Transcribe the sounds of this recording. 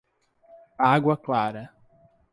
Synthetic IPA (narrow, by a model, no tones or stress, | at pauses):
aɡwɐklaɾɐ